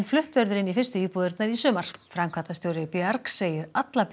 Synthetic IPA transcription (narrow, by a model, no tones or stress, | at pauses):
nflʏht̪vœɾðʏɾɪnifɪr̥st̪ʏiːpuːðʏɾt̪naɾisʏːmaɾ̥fɾamkʰvat̪ast̪jowɾɪpɛaɾkseːjɪɾat̪lap